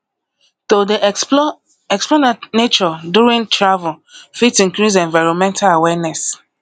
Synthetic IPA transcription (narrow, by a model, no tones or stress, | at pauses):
todi | ɛksplɔnanet͡ʃɔduɹĩntɹavlfitĩŋkɹis̬ɛ̃nvaɪɹɔnmɛ̃ntʰalawɛnɛs